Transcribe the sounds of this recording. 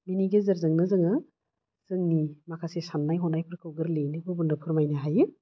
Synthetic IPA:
miniɡezɐɾzɯŋnɯzɯŋɯ | z̥ɯŋnimakʰasesanːajɦɔnajpʰɯɾkʰɯwɡɯɾlejnɯbɯbundɯpʰɯɾmajnaɦajɯ

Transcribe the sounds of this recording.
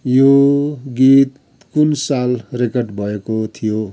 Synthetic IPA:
joɡit̪ | kunsalrekʌrɖbʱʌekot̪ʰijo

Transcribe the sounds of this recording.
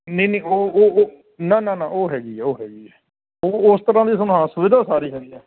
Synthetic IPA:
nə̃iːneĩːoːoː | nãːnãːnãːʔoːɦɛːɡiːɛːoːɦɛːɡiːɛː | oːʊst̪əɾãːd̪iːs̬ʊnãːsʊʋɪd̪ʱaːsaːɾiːɦɛːd̪iːɛː

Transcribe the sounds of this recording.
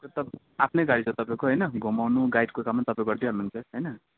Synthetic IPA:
tʌt̪ʌ | apʰnʌjɡaɽit͡sʰʌt̪ʌpãẽkoɦʌjnʌɡʱomawnuɡajʈkokamːant̪ʌpãẽkɡʌrd̪iɦʌnunt͡sʰʌɦʌjnʌ

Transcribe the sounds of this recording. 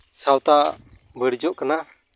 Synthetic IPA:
sawt̪a | bəɽd͡ʒɔʔkana

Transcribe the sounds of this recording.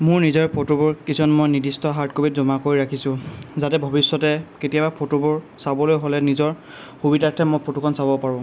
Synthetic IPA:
mʊɹnizɔɹpʰotobʊɹkisɔnmojnidistɔɦaɹtkobitzɔmakoɹiɹakʰisʊ̃zatɛbʱɔbisːɔtɛketijabapʰotobʊɹ | sabɔlojɦolɛnizɔɹ | xubidatʰɛmojpʰotukʰɔnsabɔpaɹʊ̃

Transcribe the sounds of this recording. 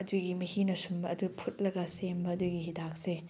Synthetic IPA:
ɐduɡimɐhinɐsumbɐɐdupʰut̚lɐɡɐsembɐːduɡiɦidak̚se

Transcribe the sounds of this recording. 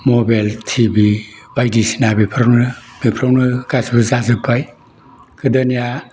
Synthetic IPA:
mɔbaltʰibibajdisi̥nabipʰɾawnɯbipʰɾawnɯkasibɯzazɯpʰaj | kɯdɯnija

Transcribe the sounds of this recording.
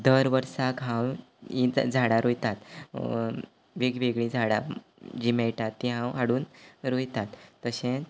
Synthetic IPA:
d̪əɾʋəɾsakɦãw | id͡zʱaɽaɾojt̪at̪ | ʋeɡʋeɡɭĩd͡zʱaɽa | d͡ʑimɛjʈ̪at̪ːĩɦãwaɽuːnɾojt̪at̪ːəɕẽt͡s

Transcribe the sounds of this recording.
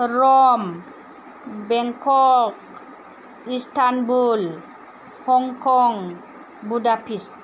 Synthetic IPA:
ɾɔm | bɛŋkʰɔk | istanbul | hɔŋkʰɔŋ | budapist

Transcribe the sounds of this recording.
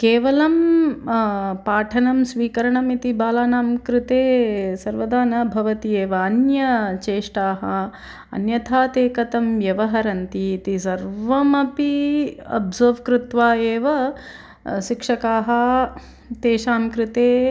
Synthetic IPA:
keːʋɐlɐm | paːʈʰɐnɐmsʋiːkɐɾɐɳɐmit̪ibaːlaːnaːmkɾɪt̪eːsɐɾʋɐd̪aːnɐbʱɐʋɐt̪ieːʋɐːnjɐt͡ʃeːʂʈaːɦɐ | ɐ̰njɐt̪ʰaːt̪eːkɐt̪ɐmʋjɐʋɐɦɐɾɐnt̪iːt̪isɐɾʋɐmɐpiɐ̰bzoːʋkɾɪt̪ʋaːeːʋɐ | ʃikʂɐkaːɦɐ | t̪eːʃaːmkɾɪt̪eː

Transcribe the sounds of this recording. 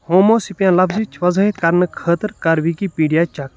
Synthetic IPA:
hoːmoːsipjãːlɐbzit͡ʃʰʋɐzəit̪kɐɾnɨkʰəːt̪əɾkɐɾʋikiːpiːɖijaːt͡ʃɐk

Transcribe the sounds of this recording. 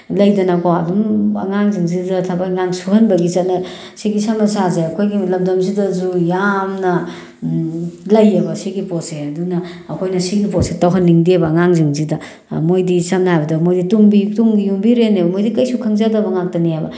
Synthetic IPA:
lɐjdɐnakʰoɐdumɐ̰ŋaŋziŋzidɐtʰabɐkŋaŋsuɦɐnbɐɡit͡ʃɐt̚nɐ | siɡisamnɐsazajɐkʰojɡilɐmdɐmzidɐzujamnɐ | lɐjɐbɐsiɡiposeɐdunɐːkʰojnɐsiɡiposetɐwɦɐnːiŋdebɐŋaŋziŋzidɐ | mojdisamnɐhajbɐdɐmojdituŋbituŋɡijuŋbiɾenajbɐmojdikɐjsukʰɐŋzadɐbɐŋak̚tɐniajbɐ̰

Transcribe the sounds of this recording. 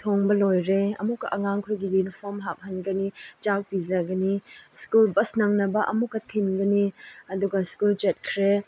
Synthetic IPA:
tʰoŋbɐlojɾeɐ̰mukːɐʔɐŋaŋkʰojɡijunipʰoɾmɦap̚ɦɐnɡɐnid͡ʒak̚bizɐɡɐniskulbɐsnɐŋnɐbɐʔɐ̰mukːɐtʰinɡɐniɐduɡɐskult͡ʃet̚kʰɾe

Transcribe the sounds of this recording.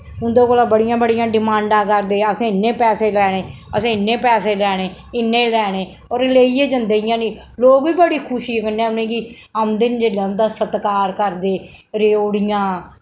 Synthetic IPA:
ʊnd̪õːkoːlãːbəɽɪjãːbəɽɪjãːɖɪmãːɳɖãːkəɾd̪eːəsẽːɪnːẽːpɛːseːlɛːɽ̃eːəsẽːɪnːẽːpɛːseːlɛːɽeːɪnːẽːlɛːɽ̃eː | oːɾleːiːeːd͡ʒənd̪eijãːniː | loːɡʋiːbəɽiːkʰʊʃiːkənːeɛ̃ːʊnẽːɡiː | əmd̪ɪnd͡ʒeːlãːnd̪aːsət̪kaːɾkəɾd̪eː | ɾeːoːɽɪjãː

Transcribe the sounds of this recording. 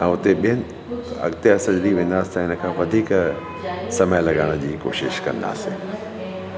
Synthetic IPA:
ɛ̃ːʊt̪eɓijənɪ | ɐ̰ɡt̪eɐsə̃d͡ʑɾiʋẽːnd̪aːsɪ̥t̪ɐɦɪnəkʰãːʋɐd̪ʱiːk | sɐməjlɐɠaːɽ̃əd͡ʑiːko̰ːʃɪʃkɐ̰̃nd̪a̰ːsɪ̰̃ː

